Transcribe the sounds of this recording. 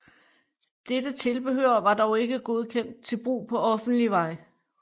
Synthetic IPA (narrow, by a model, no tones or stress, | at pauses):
d̥ed̥ət͡sʰe̝lb̥e̝høɐʋɑ̈d̥ɒʊe̝ɡ̥əɡ̥o̝ð̞ˠkʰen̰d̥̚t͡sʰe̝lb̥ʁṵːpʰɒ̽ɒ̽fn̩d̥liʋɑ̈ɪ